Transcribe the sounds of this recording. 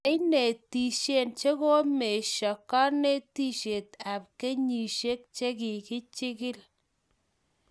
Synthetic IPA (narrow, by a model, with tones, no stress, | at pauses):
ɪ˦ne˨ti˨ʃe˦˨nt͡ʃe˦ko˦me˨ʃɔ˨kɔ˦ne˦ti˦ʃe˨t̚a˨p̚ke˦ɲi˨ʃe˦k̚t͡ʃe˦ki˨kɪ˦t͡ʃɪ˦kɪ˦l